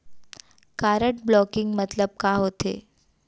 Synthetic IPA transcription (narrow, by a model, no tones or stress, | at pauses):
kaɾəʈ̚blɔkiŋɡmət̪ləb̚kaɦot̪ḛ